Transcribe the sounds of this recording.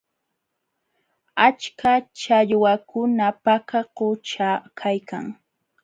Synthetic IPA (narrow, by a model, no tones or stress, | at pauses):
at͡ʃkat͡ʃaʎwakʊnapakaqʊt͡ʃakʰajka̰ŋ